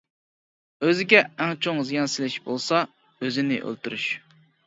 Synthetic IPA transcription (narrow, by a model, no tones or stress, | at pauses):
øzɪɡʲɛːŋt͡ʃʰoŋzijɑnsɪlɪʃbolˠsɑ | øzɪnɪ̰ʔø̰lˠt̪uɾyʃ